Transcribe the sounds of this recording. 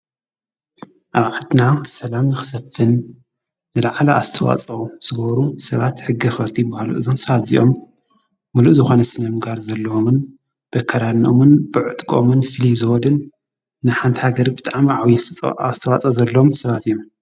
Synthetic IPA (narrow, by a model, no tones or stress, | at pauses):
ʔaβʕad̪nasɐlamnɨxɨ̥sɐfːɨnː | ɨlaʕalɐʔazɨt̪ʰɐwa̰t͡sʼɐwuz̥ɨɡɐβɐɾusɐβat̪ħɨɡːixɐɾt̪ʰibɐhalṵʔɨzo̞msɐβat̪zḭʔo̞mː | uluʔzɨxo̞nɐsɨnɐmɨɡaɾzɐlːɐomɨn | b̥ɐkʰːɐɾanomɨnb̥ɨʕɨt̪ʼkʼo̰mɨnfɨlizɨwɔd̪ɨnː | ɨħant̪ʰhaɡɐɾibɨt̪ʼaʕmʕawjɛazt̪ʰɐwat͡sʼɐzɐlːɐomsɐβat̪ijom